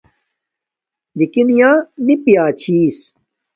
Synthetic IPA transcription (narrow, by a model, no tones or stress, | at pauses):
d̪ikinijãːnipijaːt͡ɕʰiːs